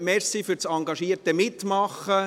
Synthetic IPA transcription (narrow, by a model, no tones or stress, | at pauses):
mɛɾsifʏɾt͡sɑŋɡɑʃiəɾtəmɪt̪mɑχə